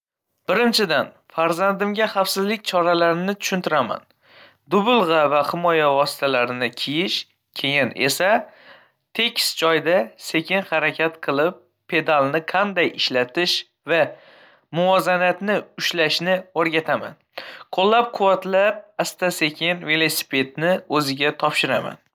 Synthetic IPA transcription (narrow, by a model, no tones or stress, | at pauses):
b̥ɪɾɪnt͡ʃʰɪd̪an | faɾzand̪ɪmɡʲaχafsɪzlɪk̚ʲt͡ʃʰɒɾalaɾɪnɪt̪ʰʊ̥ʃʊnt̪ʰɪɾama̰n | d̪ʊbʊlˠʁɑvahɪmɒjavɒsɪ̥t̪ʰalaɾɪnɪkʲʰijɪʃ | kʲʰe̞jɪne̞̰sa | t̪ʰe̞kʲsd͡ʒɒjd̪ase̞kʲɪnhaɾakʲʰat̪qʰɨlˠɪpʰː | e̞d̪alˠnɪqʰɑnd̪ajɪʃlat̪ʰɪʃ | va | mʊvɒzanat̪nɪʊʃlaʃnɪoɾɡʲat̪ʰama̰n | qʰolˠːap̚qʰʊwat̪lap̚ast̪ʰase̞kʲʰɪnve̞lˠo̞si̥pʰe̞d̪̚nɪɵzɪɡʲat̪ʰɒpʃɪɾama̰n